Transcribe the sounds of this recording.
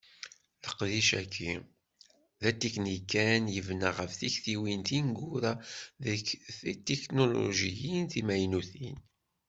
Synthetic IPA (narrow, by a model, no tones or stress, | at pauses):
ləqðiʃækʰːi | ðæt̪iknikːænjəvnaʁəfθiçθiwint̪inɡuɾaðəkθit̪ːeknolo̰ʒijinθimæjnuθin